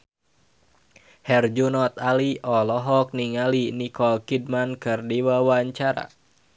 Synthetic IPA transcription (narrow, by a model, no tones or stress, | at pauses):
hɛrd͡ʒunɔt̪aliʔɔlɔɦɔk̚niŋalinikɔlkid̚mankɨrdiwawaɲt͡ʃaɾa̰